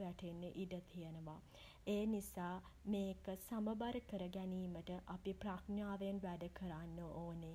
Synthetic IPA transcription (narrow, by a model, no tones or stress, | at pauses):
ʋæʈʰenːeʔiɖət̪ʰijənəʋa | eːnisaː | meːkəsaməbaɾəkəɾəɡæniːməʈəʔapipraknjaːʋenʋæɖəkʰəɾanːəʔoːne